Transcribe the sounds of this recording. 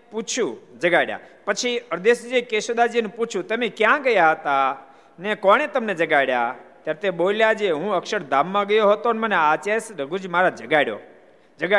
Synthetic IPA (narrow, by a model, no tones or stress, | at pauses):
put͡ʃʰũd͡ʒəɡaɽja̰pət͡ʃʰiəɾd̪eʃd͡ʒekeʃod̪ad͡ʒienũput͡ʃʰũt̪əmekjãɡəjaɦət̪a | nekɔɽ̃et̪əmned͡ʒəɡajɽja̰t̪jaɾt̪eɓoljad͡ʒeɦũəkʃəɽd̪ʱamːãɡəjoɦət̪onməneat͡ʃesɾəɡud͡ʒmaɾad͡ʒəɡaɽjo̰ | d͡ʒəɡa